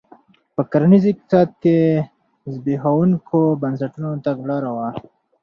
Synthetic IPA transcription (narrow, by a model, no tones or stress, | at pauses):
pəkɐɾnizik̚sɑːd̪̚ke | zbiɦaunkʰobɐnsɐʈunot̪ɐɡlɑːɾawa